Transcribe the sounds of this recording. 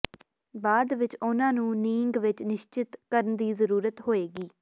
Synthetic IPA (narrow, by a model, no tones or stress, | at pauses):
baːd̪ʋɪt͡ʃʊnãːnũːniːŋɡʋɪt͡ʃnɪʃt͡ʃɪt̪kəɾənd̪iːzəɾuːɾət̪ɦoːeːɡiː